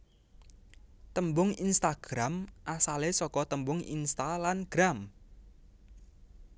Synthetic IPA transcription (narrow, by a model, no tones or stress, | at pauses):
t̪əmbʊŋinst̪aɡ̥ɾamʔasalesɔkɔt̪əmbʊŋḭnst̪alanɡ̥ɾam